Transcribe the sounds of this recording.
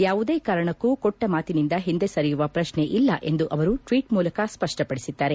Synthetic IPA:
jaːʋud̪eːkaːɾɐɳɐkːukɔʈːɐmaːt̪inind̪ɐɦind̪e̞sɐɾijuʋɐpɾɐʂnɳe̞ʔilːɐʔe̞nd̪uʔɐʋɐɾuʈʋiːʈmuːlɐkɐspɐʂʈɐpɐɽisid̪ːaːɾe

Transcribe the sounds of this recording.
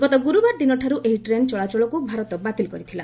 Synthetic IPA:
ɡɔt̪ɔɡuɾubaɾd̪inɔʈʰaɾuʔeiʈɾent͡ʃɔɭat͡ʃɔɭɔkubʱaɾɔt̪ɔbat̪ilkɔɾit̪ʰila

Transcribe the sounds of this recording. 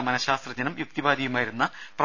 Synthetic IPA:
mɐnɐɕaːst̪rɐd͡ʑɐnɐmjuk̚t̪ibaːd̪ʱijumaːjiɾunːɐprɐ

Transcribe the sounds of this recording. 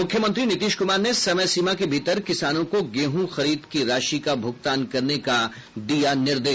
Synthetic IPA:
mʊkʰjəmɐ̃nt̪̬ɾinɪt̪iːʃkʊmaːɾnesɐməsiːmakebʱiːt̪əɾkɪsaːnõkoɡeːɦũxɐɾiːd̪kiɾaːʃikabʱʊɡ̚t̪aːnkɐɾneka | d̪ijanɪɾd̪eː

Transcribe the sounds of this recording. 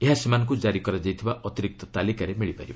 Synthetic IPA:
eɦasimank̬ud͡ʒaɾikɔɾad͡ʒajt̪ʰibaʔɔt̪iɾik̚t̪ɔt̪alikaɾemiɭipaɾiba

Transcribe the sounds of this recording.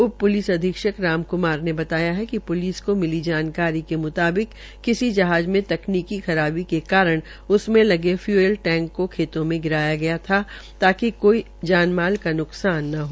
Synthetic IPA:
ʊbpːʊliːsɐd̪ʱiːkʃəkɾaːmkʊmaːɾnebɐt̪aːjaɦɛkipʊliːskomɪlid͡ʒaːnkaːɾikemʊt̪aːbɪkː | ɪsid͡ʒɐɦaːd͡ʒmẽt̪ɐkniːkixɐɾaːbikekaːɾəɽ̃ | ʊsmẽlɐɡefjuːelʈɛ̃ːŋkːokʰeːt̪õmẽɡɪɾaːjaɡɐjat̪ʰat̪aːkikoːi | d͡ʒaːnmaːlkanʊqsaːnːɐɦoː

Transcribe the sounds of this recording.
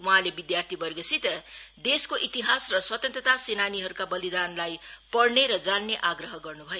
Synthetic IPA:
wʌɦãlebid̪jart̪ʰibʌrɡʌsʰit̪d̪eskoʔit̪iɦasrʌswʌt̪ʌnt̪rʌt̪asenaniɦʌɾukabʌlid̪anlajpʌɽneɾʌd͡zanːeʔaɡrʌɦʌɡʌrnubʱʌjo

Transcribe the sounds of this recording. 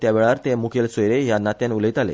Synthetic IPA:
t̪jaʋeɭaɾt̪emukʰelsojɾeɦjanat̪jãnulit̪alḛ

